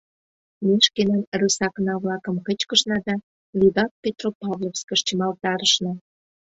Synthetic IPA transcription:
mʲeʃkenɑnrusɑknɑβlɑkə̆mkət͡ɕkə̆ʃnɑd̪ɑ | lʲid̪ɑt̪̚pʲet̪ropɑβlofskə̆ʃt͡ɕəmɑlt̪ɑɾəʃnɑ

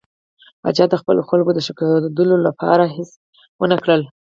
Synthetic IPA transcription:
bɑ̰d͡ʒɑd̪əxpə̰loxalɡod̪əʃəkɑd̪əlolapʰɑ̰ɾaɦɪs | wənakɽəl

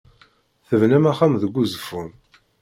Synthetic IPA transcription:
θəvnæmæχæmðəɡʷːuzəfun

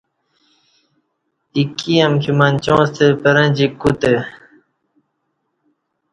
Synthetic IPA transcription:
ikiɐmkʰimɐnt͡ɕõːst̪epɐɾɐ̃d͡ʑikut̪e

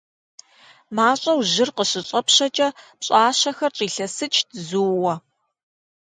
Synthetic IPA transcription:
maːɕʼɐwʑɪrqəɕɪɕʼɐpɕɐt͡ʃʼɐpɕʼaːɕɐxɐrʈ͡ʂʼiːɬɐsɨt͡ʃʰdzuːwɐ

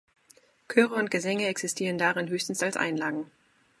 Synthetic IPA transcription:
kʰœːʁəʊnt̚ɡ̥əzɛŋəɛksɪstʰiːʁəndaʁɪnɦøːçstn̩salsʔa̰ɪnlaːɡŋ̩

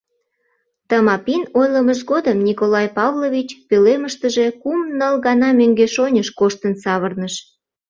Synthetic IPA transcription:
t̪əmɑpinojləməʃɣod̪əmnʲikolɑjpɑvlovʲit͡ɕpøleməʃt̪əʒekumnəlɣɑnɑmøŋɡeʃonʲəʃkoʃt̪ənsɑβərnəʃ

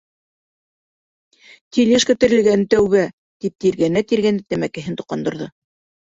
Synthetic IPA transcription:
t̪ilʲeʃkæt̪ɘ̆ɾɘ̆lɡænt̪æwβæ | t̪ip̚t̪iɾɡænæt̪iɾɡænæt̪æmækɘ̆ɦɘnt̪ŭ̥qːɑnd̪ŏɾðɤ

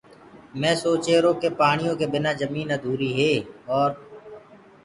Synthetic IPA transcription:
mɛ̃ːsoːt͡ʃeːɾoːkepaːɽ̃ɪjõːkebɪnad͡ʒəmiːnad̪ʱuːɾiːɦeːɔːɾ

